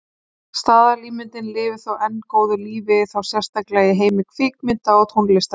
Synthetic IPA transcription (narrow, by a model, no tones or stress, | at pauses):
st̪aːðaɾliːmɪnt̪ɪnlɪːvɪ̥θowʔɛnːkoːwðʏliːvɪθawsjɛr̥st̪ʰaklɛːjɪɦeːjmɪkʰviːkmɪnt̪aɔt̪ʰownlɪst̪a